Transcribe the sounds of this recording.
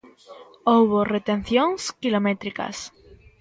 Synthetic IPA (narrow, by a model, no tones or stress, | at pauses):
oβore̞t̪e̞n̟θjonskilo̞me̞t̪ɾika̰s